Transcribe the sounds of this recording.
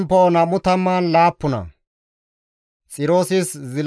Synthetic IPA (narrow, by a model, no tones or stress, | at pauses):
mpːoːnɐmʊt̪ɐmːaːnlaːpːʊnɐ̰ | t͡sʼɪɾo̞ːsɪszɪl